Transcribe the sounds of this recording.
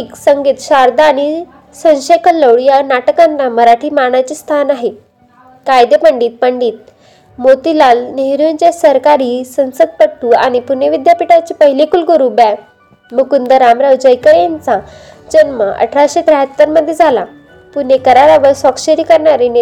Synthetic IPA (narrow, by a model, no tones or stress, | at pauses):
iksəŋɡiːt̪ɕaɾd̪aːɽ̃i | sə̃nɕejkələwɭjanaʈəkanːaməɾaʈʰiːmaɽ̃at͡ɕiːst̪ʰanaɦe | kajd̪epəɳɖiːt̪̚pəɳɖiːt̪̚ | mot̪ilalneɦɾjunt͡ɕasəɾkaɾiːsə̃nsəd̪̚pəɽt̪uːa̰ɽ̃ipuneʋid̪japiʈat͡ɕepəɦilekulkəɾuːbɛ | mukund̪əɾamɾawd͡ʑəjkəɭent͡sa | d͡ʑənməʔə̰ʈʰɾaɕed̪ɾaɦət̪ːəɾməd̪ʱːjed͡zʱala | punekəɾaɾaʋəɾsɔkɕəɾiːkəɾɳaɾene